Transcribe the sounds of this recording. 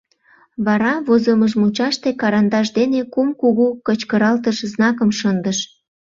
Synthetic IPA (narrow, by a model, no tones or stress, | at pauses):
βɑɾɑβozoməʒmut͡ɕɑʃt̪ekɑɾɑnd̪ɑʒd̪enekumkuɣukət͡ɕkəɾɑlt̪əʃznɑkəmʃənd̪əʃ